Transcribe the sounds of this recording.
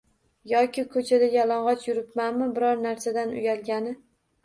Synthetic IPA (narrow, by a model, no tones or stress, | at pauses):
jɒkʲɪkʰɵt͡ʃʰad̪ajalˠɒɴʁɒt͡ʃʰjʊɾɪpmanmɪbɪɾɒɾnaɾsad̪anʊ̰jalɡʲanɪ